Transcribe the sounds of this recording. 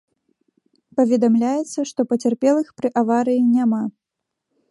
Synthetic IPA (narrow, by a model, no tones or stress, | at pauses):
pɐvʲɛd̪amlʲajɛt̪sːɐʂt̪ɔpɐt͡sʲɛrpʲɛlˠɨxpɾɨʔavaɾɨjinʲama